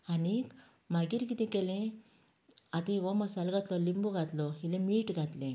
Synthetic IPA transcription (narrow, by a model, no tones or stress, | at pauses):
anik | maɡiɾkit̪ẽkɛlẽ | at̪iʋɔmasɐlɡat̪lɔlimbuɡat̪lɔilemiːʈɡat̪lẽ